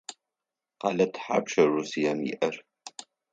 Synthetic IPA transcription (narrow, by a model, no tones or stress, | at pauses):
qɑ̰ːlɐtʰħa̰pʃɐruːsijamḭʔɐr